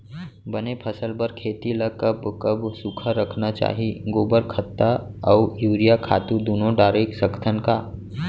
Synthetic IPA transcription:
bɐnepʰɐsəlbəɾkʰeːt̪ilɐkɐbkɐbsukʰaɾəkʰnat͡ʃa̰ːɦiɡoːbəɾkʰət̪ːaɔːjuːɾijakʰa̰ːt̪ud̪oːnõɖaːɾeksəɡət̪ʰənkaː

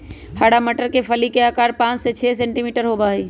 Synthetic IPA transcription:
həɽaməʈəɾkepʰəlikeaːkaːɾpãːt͡ʃset͡ʃʰɛsẽɳʈimiːʈəɾɦobaiː

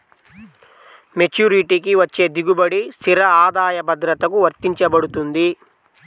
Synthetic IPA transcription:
met͡ʃuːɾiʈikiʋɐt͡ʃːe̞ːd̪iɡubɐɽist̪iɾɐaːd̪aːjɐbɐd̪ɾɐt̪ɐkuʋɐɾt̪iɲt͡ʃɐbɐɽut̪und̪i

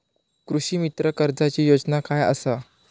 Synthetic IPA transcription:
kɾuɕiːmit̪ɾəkəɾd͡zat͡ɕiːjod͡znakajə̰sa

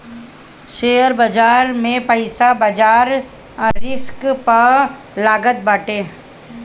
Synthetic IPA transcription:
ʃeːəɾbəd͡ʒaːɾmẽpəɪsabəd͡ʒaːɾ | ɾɪskpəɾ | laːɡət̪̚baːʈeː

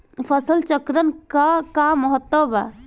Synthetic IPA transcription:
pʰəsəlt͡ʃəkɾənkakaməɦət̪ːəba̰

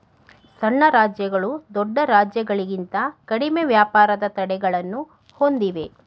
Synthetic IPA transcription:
sɐnːɐɾaːd͡ʒjɐɡɐɭud̪ɔɖːɐɾaːd͡ʒjɐɡɐɭiɡint̪ɐkɐɽimeʋjaːpaːɾɐd̪ɐt̪ɐɽɛɡɐɭɐnːu | ho̞nd̪iʋe̞

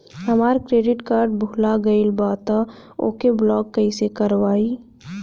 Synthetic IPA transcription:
ɦɐmaːɾkɾeːɖɪʈkaːɾɖbʊlaɡɐɪlbaːt̪ao̰ːkeblɔːɡkːɐisekɐɾwaːi

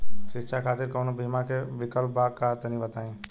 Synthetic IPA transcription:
ʃɪtːʃʰakʰaːt̪ɪɾkɐːnobʱimãkeʋɪkəlpːakat̪ənĩbət̪aːẽː

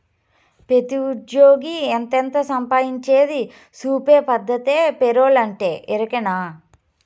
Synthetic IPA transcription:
pet̪iudjoːɡiɛnt̪ent̪ɐsɐmpaːjiɲt͡ʃeːd̪i | suːpeːpɐd̪ʱːɐt̪eːpeɾoːlɐɳʈeːʔɛɾɐkɐnaː

